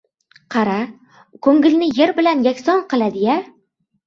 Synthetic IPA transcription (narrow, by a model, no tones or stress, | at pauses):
qʰɑɾa | kʰɵŋɡʲɪlnɪjeɾbɪlanjakʲsɒnqɨlˠad̪ɪja